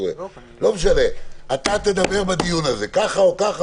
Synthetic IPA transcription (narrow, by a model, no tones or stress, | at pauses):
ḛ | lo̞meʃale̞at̪at̪e̞d̪abe̞ʁbad̪ijunaze̞kaχaokaχa